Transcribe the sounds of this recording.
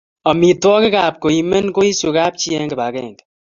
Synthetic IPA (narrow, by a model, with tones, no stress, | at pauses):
ɔ˨mi˨twɔ˦kɪ˦ka˨p̚ko˨i˨me˦nko˦i˦su˨ka˦p̚t͡ʃi˦ɛ˦ŋkɪ˨ba˨kɛ̰˦˨ŋd